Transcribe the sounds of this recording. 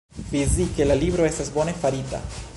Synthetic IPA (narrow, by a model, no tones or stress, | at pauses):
pizike̞lalibɾo̞e̞stasbo̞ne̞faɾita̰